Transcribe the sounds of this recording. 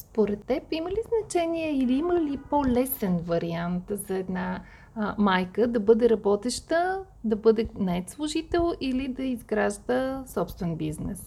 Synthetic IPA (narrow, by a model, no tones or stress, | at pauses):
spoɾɛt̪ːɛpiməliznɐt͡ʃɛniɛiliiməlipolɛsɛnvɐɾiant̪zɐɛd̪na | majkəd̪ɐbɤd̪ɛɾɐbɔt̪ɛʃt̪ə | d̪ɐbɤd̪ɛnɐɛt̪slˠʊʒit̪ɛlˠilid̪ɐizɡɾaʒd̪əsɔpst̪vɛnbiznɛ̰s